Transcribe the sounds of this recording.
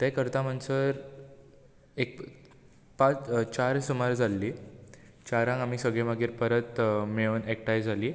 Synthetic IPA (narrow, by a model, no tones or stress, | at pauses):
t̪ɛ̃kəɾt̪ãm̤ənsəɾ | ek̚ | pat͡st͡ɕaɾsumaɾd͡zʱalːiː | t͡ɕaɾãŋɡam̤iːsəɡɭeʋaɡiːɾpəɾət̪meənɛk̚ʈajd͡zʱaliː